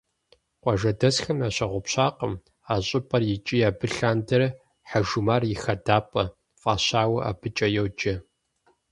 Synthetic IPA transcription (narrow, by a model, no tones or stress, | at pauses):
qʷɔʒɐdɐsxɐmjaːɕɐʁʷʊpɕaːqəm | aːɕʼɪpʼɐrjɪt͡ʃʼijaːbɨɬaːndɐr | ħaʒumaːrjɪxɐdaːpʼɐ | fʼaːɕaːwɐʔa̰ːbʰɨt͡ʃʼɐjowd͡ʒɐ